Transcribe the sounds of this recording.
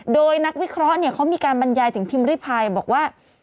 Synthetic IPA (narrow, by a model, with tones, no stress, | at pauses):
doː˧jna˦˥k̚wi˦˥kʰɾɔ˦˥ʔni˥˩ɐkʰa˦˥wmiː˧kaː˧nba˧njaː˧jt̪ʰɯ˩˦ŋpʰi˧mɾi˥˩pʰaː˧jbɔː˨˩k̚waː˥˩